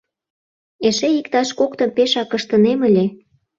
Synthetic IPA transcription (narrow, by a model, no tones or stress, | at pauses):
eʃeikt̪ɑʃkokt̪ə̆mpeʃɑkːəʃt̪ə̆neməlʲe